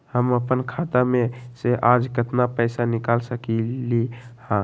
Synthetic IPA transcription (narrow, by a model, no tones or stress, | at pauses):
həməpənkʰat̪ameseʔad͡ʒkət̪napəjsanikalsəkilihã